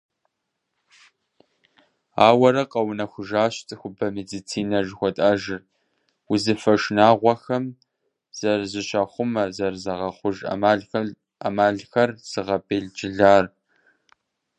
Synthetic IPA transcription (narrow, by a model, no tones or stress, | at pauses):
aːwɐɾɐqʼɐwnɐxʷʊʒaːɕtʼxʷʊbɐmedit͡sʰiːnɐʒxʷɔtʼaːʒɪr | wʊzɨfɐʃnaːʁʷɔxɐm | z̥ɐrzɪɕɐχʷʊmɐzɐrzɐʁɐχʷʊʒ̰ | amaːɮxɐrz̥ɨʁɐbeːɮd͡ʒʼɪɮaːr